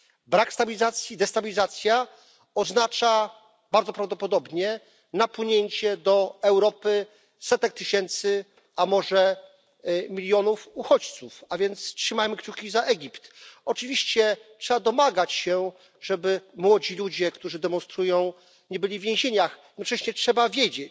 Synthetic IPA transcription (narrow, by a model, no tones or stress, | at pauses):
bɾakst̪abʲilʲizat̪sʲjid̪ɛst̪abʲilʲizat̪sʲja | ɔznat͡ʂa | baɾd̪zɔpɾavd̪ɔpɔd̪ɔbɲɛ | napwɘɲeɲt͡ɕɛd̪ɔɛwɾɔpɘ | sɛt̪ɛk̚t̪ɘɕɛnt̪sɘ | amɔʐɛ | mʲilʲjɔnufuxɔt͡ɕt̪sufavʲjɛnt̪stʂɘmajmɘkt͡ɕukʲizaʔɛɡʲipt̪ɔt͡ʂɘvʲiɕt͡ɕɛtʂɛbad̪ɔmaɡat͡ɕɕɛ | ʐɛbɘmwɔd͡ʑilud͡ʑɛkt̪uʐɘd̪ɛmɔnst̪ɾujɔ̃w̃ | ɲɛbɘlʲivʲjẽʑeɲaxjɛd̪nɔt͡ʂɛɕɲɛtʂɛbavʲjed͡ʑe